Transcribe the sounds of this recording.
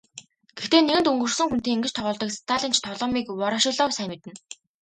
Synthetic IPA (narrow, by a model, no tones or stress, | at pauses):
ɡ̥ext̪eːneɣɘ̆nt̪uŋɡɵ̆rsɘ̆ŋxunt̪eːŋiŋɡɘ̆t͡ɕt̪ʰɔʁʊːɮt̪ɞ̆kst̪ʰaɮĭːnt͡ɕʰt̪ʰɔɮɔːmiːkwɔɾăːʃɪ̆ɮɔːwsæmʲɪ̆t̪ɘ̆n